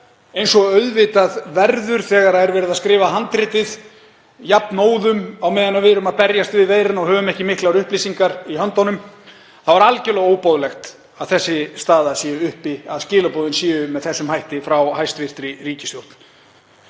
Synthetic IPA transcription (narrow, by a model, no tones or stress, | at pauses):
ejnsɔœɥðvɪt̪aðvɛɾðʏɾ̥θɛːɣaɾaɛɾvɛːɾɪðaðskɾɪːvaɦant̪ɾɪːt̪ɪð | japnoːwðʏmawmɛːðɪnavɪɾʏmaðpɛɾjast̪vɪðveːjɾɪnɔɣhœːvʏmɛhcɪmɪhklaɾʏhpliːsiŋkaɾiɦœnt̪ɔnʏm | θawvaɾalcɛlɛɣoːwpoðlɛxt̪ | aðθɛsːɪst̪aːðasjɛːʏʏhpiaðscɪːlapoːðʏnsjɛːʏmɛðθɛsːʏmhajht̪ɪfɾawhajst̪vɪr̥t̪ɾɪriːcɪ̥stjowht̪n̥